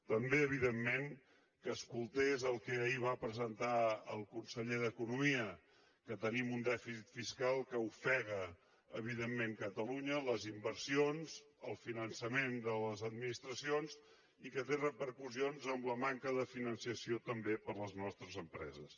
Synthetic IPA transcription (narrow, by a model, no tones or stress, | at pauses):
t̪əmbeəβiðemːeŋ | kəːskulˠt̪ezəlˠkɛəiβ̞apɾəzənt̪aə̰lˠkunsəʎeðəkunumiə | kət̪ənimund̪ɛfisit̪fiskalˠkəufɛɣ̞əː | β̞iðemːeŋkət̪əluɲələzimbəɾsionz | əlˠfinənsəmend̪ələzəd̪minist̪ɾəsionz | ikət̪erəpəɾkuzionzəmləmaŋkəðəfinənsiəsiot̪əmbepəɾləznɔst̪ɾəzəmpɾɛ̰zəs